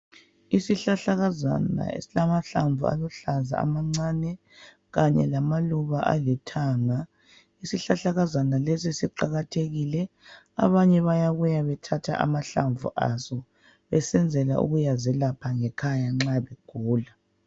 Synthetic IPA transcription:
isiɬaɬaɣaza̰na̰ḛsilamaɬaɱvṵa̰lɔɬaza̰a̰maŋ͡ǀanɛ | ɣaɲɛlamaluβaʔa̰lɛtʰaːŋa | isiɬaɬaɣazanalesisiǃaɣatʰeɣilɛ | a̰βaɲɛβajaɣujaβɛtʰatʰa̰ʔa̰maɬaɱvʱṵʔa̰sɔ | βɛsɛnd͡zʱɛla̰ʔṵɣujazɛlapʰaŋɛkʰajaŋ͡ǁaβeɡ̥ʱuːla

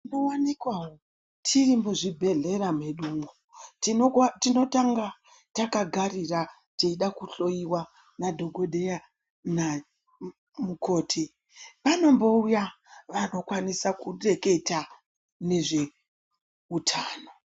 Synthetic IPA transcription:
ndowanikwawo | tʰirimuʐibʱe̞ɮe̞ɾameɗuːŋɡo | ttino̞taŋɡa | takaɡʱarira | teiɗakuɬo̞jiwa | nadʱo̞ɡʱo̞dʱeja | na | muko̞ːtʰi | pano̞mbo̞uja | ʋano̞kwanisakure̞ke̞ta | ne̞ʐe̞ | utʰaːno̞

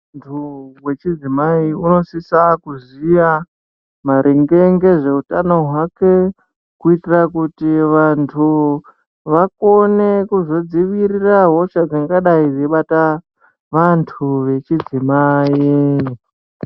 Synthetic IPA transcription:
tʰuwe̞t͡ʃid͡zimaiuno̞sisakuzija | maɾʔeŋɡeŋɡe̞ʐe̞utano̞ɦwake̞ | kuitirakutiʋantʰu | ʋako̞ne̞kuzo̞d͡ziʋiɾiraɦo̞t͡ʃad͡zaŋɡaɗaid͡zeɓata | ʋantʰuʋe̞t͡ʃid͡zimai

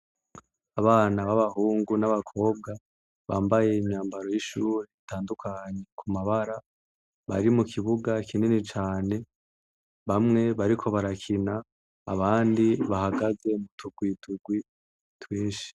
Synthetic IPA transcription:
aβaːnaβaβahuːŋɡunaβakʰo̞ːb̚ɡa | βaːmbaje̞imɲaːmbaɾo̞jiʃuːɾeitʰaːndukʰaɲe̞kʰumaβaɾa | βa̰ɾimukʰiβuɡakʰinenit͡ʃaːne̞ | βamŋe̞βaɾikʰo̞βaɾakʰina̰ː | βaːndiβahaɡaze̞mutʰuɡwiːtʰuɡwi | twiːʃi̥

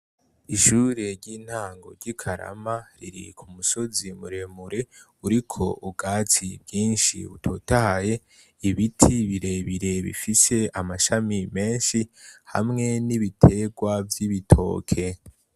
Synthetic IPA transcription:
iʃuːɾe̞ɾɟiːn̥haːŋɡo̞̰ɾɟikʰaɾa̰maɾḭɾḭkʰumuso̞zimuɾe̞muɾe̞ | uɾikʰo̞ubɡaːt͡sibɟiːnʃḭβṵtʰoːtahaje̞ | iβitʰiβiɾe̞βiɾe̞βḭfise̞amaʃamime̞ːnʃiha̰mŋe̞niβitʰe̞ɡwavjiβitʰo̞̰ːkʰe̞

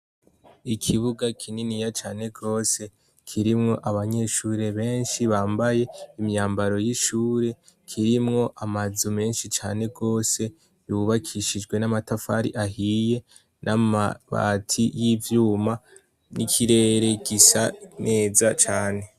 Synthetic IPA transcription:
ikʰiβuɡakʰininijat͡ʃaːne̞ɡo̞ːse̞ | kʰiɾimŋo̞ʔaβaɲe̞ʃuːɾe̞βe̞ːnʃiβaːmbaje̞imɲaːmbaɾo̞jiʃuːɾe̞ | kʰiɾimŋo̞ʔamazume̞ːnʃit͡ʃaːne̞ɡo̞ːse̞ | juβakʰiʃid͡ʒɡwe̞namatafa̰ɾḭʔaɦije̞ | nʔamβa̰tʰijivjuːma | nikʰiɾe̞ːɾe̞ɡisanʔe̞ːzat͡ʃaːne̞

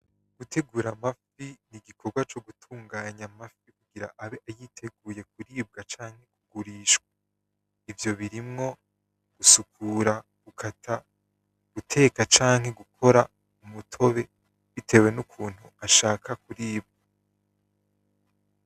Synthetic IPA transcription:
ɡ̥utʰe̞ɡuːɾamafiniɡikʰo̞ɾɡwat͡ʃo̞ɡutʰuːŋɡaːɲamafikuɡiɾaʔaβeʔajiːtʰe̞ɡuːje̞k̚uɾiːb̚ɡat͡ʃaːŋhe̞kuɡuɾiːʃkwa | ivjo̞βiɾimŋo̞ | ɡ̥usukʰuːɾa | ɡ̥ukʰatʰa | ɡ̥utʰe̞ːkat͡ʃaːŋhe̞ɡukʰo̞ɾa | umutʰo̞βe̞ | βite̞we̞nukʰuːn̥huaʃaːkʰakuɾiːb̚ɡa

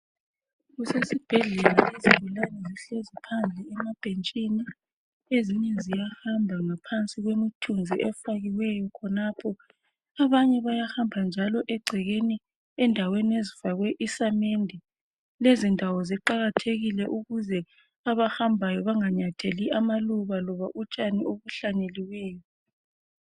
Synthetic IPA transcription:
ɣusesib̥ʱɛɮɛlaʔeziβulanɔziɬozipʰand͡ɮʱɛɛmab̥ʱent͡ʃʼini | eziɲɛzijahambʱaŋapʰant͡sʼiɣwemitʰund͡zʱiʔɛfaɣiwɛjɔkʰɔnapʰɔ | aβaɲɛβajahambʱand͡ʒʱalɔʔɛɡ͡ǀʱɛɣeni | ɛndʱaweniezifaɣwɛʔisamendʱɛ | lezindʱawɔziǃaɣatʰeɣilɛʔuɣuzɛ | aβaxambʱajɔβaŋaɲatʰeliʔamaluβalɔβaʔut͡ʃʼaniʔoβuɬaneliwɛːjɔ

